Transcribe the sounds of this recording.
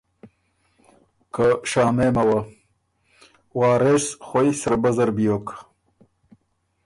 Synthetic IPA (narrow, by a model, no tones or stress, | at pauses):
kəʂaːnemɐwɐ | wɑːɾesχojsɐɾbɐzɐɾbijok